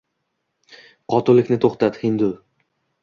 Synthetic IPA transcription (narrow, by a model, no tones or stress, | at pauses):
qʰɒt̪ʰʊlɪkʲnɪt̪ʰoχt̪at̪hɪnd̪ʊ